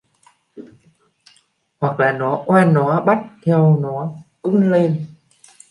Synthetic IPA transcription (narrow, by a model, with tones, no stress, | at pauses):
hwa˨˩k̚laː˨˩nɔ˨˦ʔwaː˧nːɔ˨˦ɓa˦˥t̚t̪ʰɛ˧wnɔ˨˦ʔɨ˧ŋle˧n